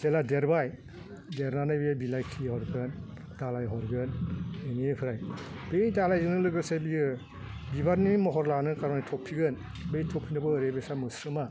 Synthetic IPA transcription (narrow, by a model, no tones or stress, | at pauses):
zeladeɾbaj | deɾnanɯjbijabilajkʰihɔɾɡɯn | dalajɦɔɾɡɯneniepʰɯɾaj | b̥ejdalajzɯnɯlɯɡɯsebiɯ | bibaɾnimɔɦɔɾlanɯkaɾɔnitʰɔpʰːiɡɯn | bejtʰɔpʰːinɯbɯːɾebesamɯsɾɯma